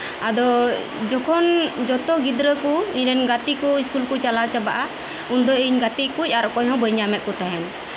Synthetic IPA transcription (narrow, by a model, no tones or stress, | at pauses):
ad̪ɔ | d͡ʒɔkʰɔnd͡ʒɔt̪ɔɡid̪ɾəkuiɲɾɛnɡat̪ikuiskulkut͡ʃalawt͡ʃabaʔa | und̪ɔiɲɡat̪ikuc̚aɾɔʔkɔɲɦɔ̃bəɲamɛʔ̚kut̪aɦɛn